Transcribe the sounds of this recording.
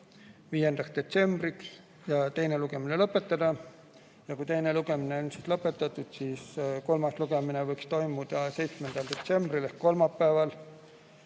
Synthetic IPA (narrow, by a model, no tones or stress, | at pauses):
viːe̞nd̪̥ɑksd̪̥e̞t̪se̞mb̥riks | jɑt̪e̞jneluɡ̥e̞minelɤpːˑe̞t̪ːˑɑd̪̥ɑ | jɑkujt̪e̞jne̞luɡ̥e̞mineonsit̪lɤpːˑe̞t̪ːˑɑt̪ːˑud̪̥siːsko̞lmɑsluɡ̥e̞minevɤjkst̪o̞jmud̪̥ɑse̞jt̪smend̪̥ɑld̪̥e̞t̪se̞mb̥rilehkko̞lmɑpːæevɑl